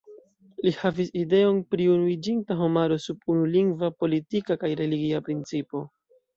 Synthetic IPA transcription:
lihaviside̞o̞npɾiunuid͡ʒintaɦo̞maɾo̞subunuliŋɡvapo̞litikakajɾe̞liɡiapɾint͡sipo̞

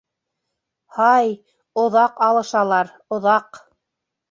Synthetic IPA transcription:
hɑj | ŏðɑqɑlˠɤ̆ʃɑlˠɑɾ | ŏðɑq

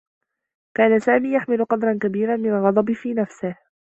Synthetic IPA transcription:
kaːnasaːmiːjaħmɪlʊqɑd̪ɾˤɑnkabiːɾanmɪnalɣɑd̪ˤɑbfiːnafsɪh

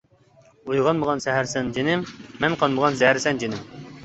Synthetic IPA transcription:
ujʁɑnməʁɑnsɛɦæɾsɛnd͡ʒenɪmːɛnqʰɑnməʁɑnsɛhæɾsɛnd͡ʒenɪm

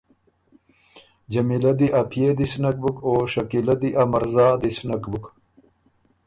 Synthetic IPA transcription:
d͡ʑɐmilɐd̪iʔapʰjed̪isnɐk̚bukoʂɐkilad̪iʔamɐɾzaːd̪isnakbuk

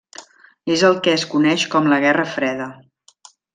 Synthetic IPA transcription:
ezəlˠkɛəskunɛʃkɔmləɣ̞ɛrəfɾɛðə

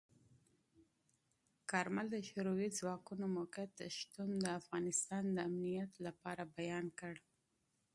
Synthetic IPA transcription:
kɑɾmald̪əʃʊɾowizwɑkunomokat̪ːəʃt̪und̪əafɣɑnɪst̪ɑnd̪əamnijat̪lapɑɾabajɑnkəɽ

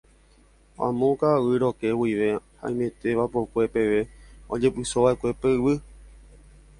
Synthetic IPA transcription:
ã̰mõkaʋɨɾoke̞wiʋehã̰j̃mẽ̞t̪e̞ʋapokʷe̞pe̞ʋe̞od͡ʒe̞pɨsoʋaekʷe̞peɨʋɨ

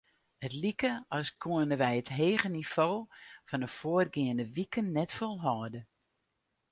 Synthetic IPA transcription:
hətlikəɔskʰuənəʋɛjətɦeːɣənifoːfɔnəfoərɡɪəndəʋikənːɛtfolˠɦɔːdə

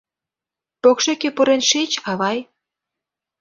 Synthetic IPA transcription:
pokʃekepuɾenʃet͡ɕɑβɑj

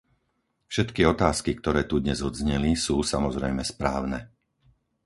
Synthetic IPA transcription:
fʃɛt̪kiɔt̪aːskik̚t̪ɔɾɛːt̪ud̪ɲɛzɔd̪zɲɛlisuːsamɔzɾɛjmɛspɾaːʊnɛ

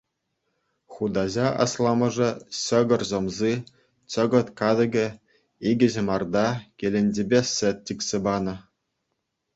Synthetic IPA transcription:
χud̪ɑʑɑɑ̰slˠɑmɤ̆ʐɤ̆ɕɤ̆ɡɤ̆rzŏmzi | t͡ɕɤ̆ɡɤ̆t̪kɑd̪ɤ̆ɡʲɘ̆ | iɡʲɘ̆ʑɘ̆mɑrd̪ɑkʲelʲĕnʲd͡ʑʲebʲesʲɘ̆t̪̚ʲt͡ɕʲikʲsʲĕbɑnɤ̆

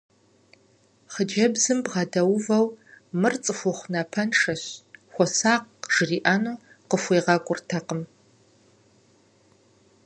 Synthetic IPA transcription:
χəd͡ʒɐbzɨmbʁɐdɐwvɐwmɨrt͡sʼɨxʷɔχʷnɐpʰɐnʂɐɕxʷɔsaːqʒ̥ɨriːʔaːnuː | qəfʷeːʁɐkʷʼʊrtʰɐqəm

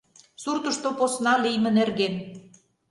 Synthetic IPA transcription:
surt̪ə̆ʃt̪oposnɑlijmə̆nerɣen

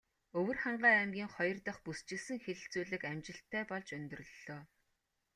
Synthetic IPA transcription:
ɵwɵ̆rχaɴɢæːmɡʲiːŋχɔjɞ̆rt̪ə̆χpust͡ɕɪ̆sɘ̆ŋxeɮɘ̆ɬt͡suːɮɘ̆kæmt͡ɕɪ̆ɬt̪ʰːæːpɔɮt͡ɕɵnt̪ɵ̆rɵ̆ɮoː

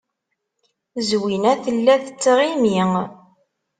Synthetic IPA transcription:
zwinæθəlːæθət͡sːʁimiŋ

